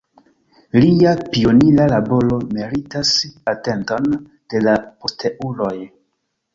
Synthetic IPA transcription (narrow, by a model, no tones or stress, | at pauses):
liapio̞nilalabo̞lo̞meɾitasate̞nto̞n | d̥e̞lapostʰeʔulo̞j